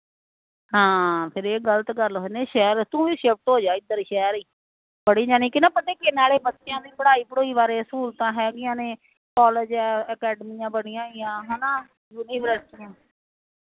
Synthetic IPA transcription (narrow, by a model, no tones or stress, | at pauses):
ɦãːpʰɪɾeːɡələt̪ɡəɾlɦonẽːʃɛːɾt̪ũːʋiːʃep̚ʰʈɦoːd͡ʒaːɪd̪ːəɾʃɛːɾiː | bəɽiːd͡ʒaːnĩːkɪnãːpəneːkɪnaːleːbətːʃjãːd̪iːbəɽaːiːpəɽoːiːʋaːɾeːskuːlt̪ãːɦɛːɡɪjãːnẽː | kɔːled͡ʒɛ̃ːəkɛːɖmijãːbəɽɪjãːɪjãːɦɛːnaː | juːniːbəɾəst̪ɪjãː